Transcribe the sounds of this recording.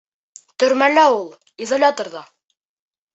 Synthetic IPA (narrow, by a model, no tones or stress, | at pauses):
t̪ɵ̆ɾmælæulˠ | izolʲat̪orðɑ